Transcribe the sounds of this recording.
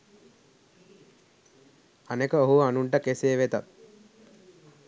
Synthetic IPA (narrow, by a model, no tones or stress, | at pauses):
anekəoɦuʋanuɳʈəkeseːʋet̪at̪̚